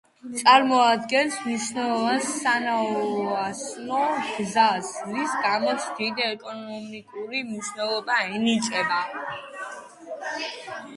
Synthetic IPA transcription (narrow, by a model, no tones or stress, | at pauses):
t̪sʼaɾmɔad̪ɡɛnsmniʃnɛlˠɔvansanaɔlɔasnɔɡ̥zaslisɡamɔsʰd̪id̪ɛɛkʼɔnɔmikʼuɾimniʃnɛlˠɔbaɛnit͡ʃʼɛba